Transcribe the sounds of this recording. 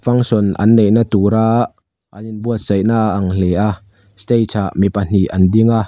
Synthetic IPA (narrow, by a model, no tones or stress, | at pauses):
fɐŋsɔnɐ̰nːejnat̪uːɾa | ʔɐninbuət̪̚z̥ɐjnaʔːŋlɛʔaʔ | st̪ejt͡sʰaʔmipɐn̥iʔɐndiŋa